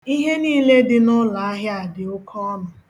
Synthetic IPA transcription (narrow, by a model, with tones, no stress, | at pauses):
i˦ɦe˦niː˦le˦dɪ˦nʊ˦la˨a˦ɦja˨dɪ˨ʊ˦kʰɔ˦ɔ˦nʊ˨